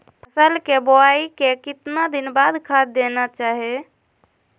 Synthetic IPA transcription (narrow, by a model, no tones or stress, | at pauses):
əsəlkeboaikekɪt̪nad̪inbad̪kʰad̪d̪enat͡ʃaɦe